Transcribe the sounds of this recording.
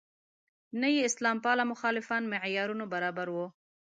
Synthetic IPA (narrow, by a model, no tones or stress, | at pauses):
nəjeɪslɑmpɑlamʊxɑlɪfɑnmɪʕjɑɾunobaɾɑbaɾwo